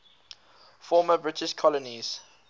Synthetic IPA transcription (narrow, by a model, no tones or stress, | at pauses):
fɔːməbɹɪtɪʃkʰɔləniz̥